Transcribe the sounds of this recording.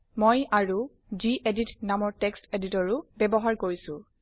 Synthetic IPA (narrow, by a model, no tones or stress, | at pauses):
mojaɹu | ziʔeditnamɔɹteksteditɔɹʊbɛbɔɦaɹkoɹisʊ̃